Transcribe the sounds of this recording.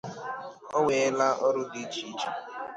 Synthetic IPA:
ɔ˦ŋʷe˨˦la˦ʔɔ˦ɾʊ˦di˨˦t͡ʃi˦t͡ʃi˦

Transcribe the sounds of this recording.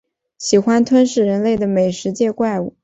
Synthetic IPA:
ɕi˨˩xwa˥nt̪ʰwə˥nʂɻ̩˥˩ɻə˧˥nle˥˩ɪd̪ə˩me˨˩ɪʂɻ̩˧˥t͡ɕjɛ˥˧kwa˥˧ɪu˥˩

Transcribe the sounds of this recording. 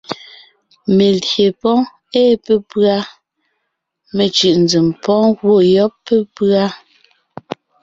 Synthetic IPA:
me˨dje˨pɔ̃˦ | eː˦˨pe˦pɰa˦ | me˨t͡ʃɯ˨ʔn˨d͡zi˨mpɔ̃˦ɣwo˦˨jɔ˦pːe˦pɰa˦

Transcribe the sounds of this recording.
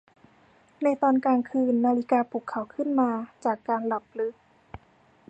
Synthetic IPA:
na˧jt̪ɔː˧nkaː˧ŋkʰɯː˧nːaː˧li˧˥kaː˧pʰuː˨˩kʰːa˧˩˦wkʰɯ˥˨nmaː˧t͡ɕaː˨˩kːaː˧nla˨˩p̚lɯ˦˥k̚

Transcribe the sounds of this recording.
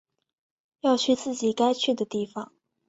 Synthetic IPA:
jɑ˥˧ʊt͡ɕʰy˥˧t͡sɹ̩˥˩t͡ɕi˨˩ka˥ɪt͡ɕʰy˥˩d̪ə˩t̪i˥˩fɑ˨˩˦ŋ

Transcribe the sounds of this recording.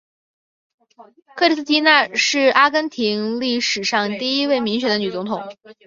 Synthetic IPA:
kʰɤ˥˩ʈ͡ʂi˥s̩ʰ˥˩t̪ʰi˥na˥˧ʂɻ̩˥˩a˥kə˥nt̪ʰi˧˥ŋli˥˩ʂɻ̩˨˩ʂɑ˥˧ŋt̪i˥˩i˥we˥˩ɪmi˧˥ŋɕɥɛ˨˩nd̪ə˧ny˨˩t͡sʊ˧˥ŋt̪ʰʊ˨˩˦ŋ

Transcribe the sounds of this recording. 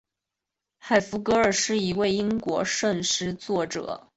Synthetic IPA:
xa˨˩ɪfu˧˥kɤ˧˥ə˞˨˩ʂɻ̩˥˩i˧˥we˥˩ɪi˥ŋkwɔ̰˧˥ʂə˥˧nʂɻ̩˥˧t͡swɔ˥˩ʈ͡ʂɤ̰˨˩˦

